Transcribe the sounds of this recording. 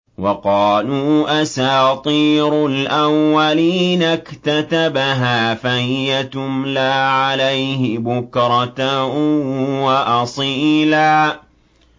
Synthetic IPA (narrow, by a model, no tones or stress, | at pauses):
wɑqɑːluːʔasaːt̪ˤiːɾʊlʔawːaliːnakt̪at̪abaɦaːfahɪjat̪ʊmlaːʕalajhɪbʊkɾˤɑt̪a | waʔɑsˤiːlaː